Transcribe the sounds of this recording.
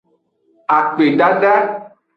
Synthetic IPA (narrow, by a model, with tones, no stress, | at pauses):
a˨k͡pe˨ɖa˦ɖa˦